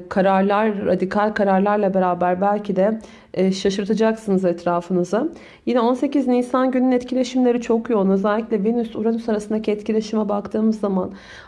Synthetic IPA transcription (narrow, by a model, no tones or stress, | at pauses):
kʰaɾaɾlˠaɾːa̰d̪ikʰalʲkʰaɾaɾlˠaɾlˠabe̞ɾaːbæɾbælʲcʰid̪ɛ | ʃaʃɯɾt̪ʰad͡ʒaksɯnɯzɛt̪ʰɾaːfɯnɯza | jinɛo̞nse̞cizniːsanɟynynɛt̪cʰilʲe̞ʃimlʲe̞ɾit͡ʃʰo̞kjonøzɛlʲːiclʲɛvenysuɾanysaɾasɯnacʰɛt̪cilʲe̞ʃimɛbakt̪ʰɯːmɯzːaman